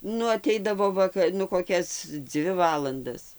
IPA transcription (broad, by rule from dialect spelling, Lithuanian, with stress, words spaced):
ˈnʊ ɐˈtʲɛɪdɐʋoː ˈʋɑːkɐ nʊ koːˈkʲɛs ˈd͡zʲʋʲɪ ˈʋɑːlˠɐndɐs